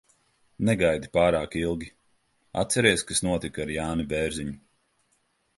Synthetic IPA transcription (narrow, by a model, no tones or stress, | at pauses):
nɛɡajd̪ipaːɾaːkilˠɡʲi | a̰t̪sɛɾiɛskasnuɔt̪ikaɾjaːnibɛːɾziɲu